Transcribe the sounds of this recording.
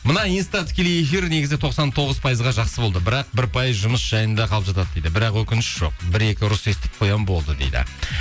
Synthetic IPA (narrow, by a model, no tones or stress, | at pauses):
mənɑijnst̪ɑt̪ʰɪ̥kʲe̞leje̞fiɾne̞ɡʲɪzɪt̪ʰo̞qsɑnt̪ʰo̞ʁəzpʰɑjəzʁɑʒɑqsəbo̞lˠd̪əbɪɾɑq̚bɪɾpʰɑjəzʒʊməsʒ̥ɑjənd̪ɑqʰɑlˠəpʒɑt̪ɑd̪əd̪ejd̪ɪbɪɾɑqwɵkʲɪnɪʃʒ̥o̞̰qbɪɾe̞kʲɪɾʊse̞st̪ɪ̥k̚qʰo̞jɑnbo̞lˠd̪əd̪ḛjd̪ɪ̰